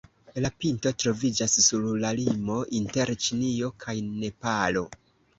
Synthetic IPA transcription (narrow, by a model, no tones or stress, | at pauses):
lapinto̞tɾo̞vid͡ʒasːuɾlalimo̞ʔinte̞ɾt͡ʃinio̞kʰajne̞palo̞